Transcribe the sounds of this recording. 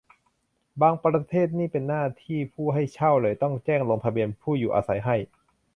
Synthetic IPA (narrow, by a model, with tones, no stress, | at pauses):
baː˧ŋpɾa˧t̪ʰeː˥˩t̪̚niː˥˩pe˧nːaː˥˩t̪ʰiː˥˩pʰuː˥˩ɦa˥˩jt͡ɕʰa˥˩wlɤː˧˩jt̪ɔ˥˩ŋt͡ɕɛː˥˩ŋlo˧ŋp̪ʰa˧bi˧ənpʰuː˥˩juː˨˩ʔa̰ː˧sa˩˦jɦa˥˩j